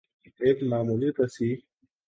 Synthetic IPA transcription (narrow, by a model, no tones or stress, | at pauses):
eːkmaːmulipɐsi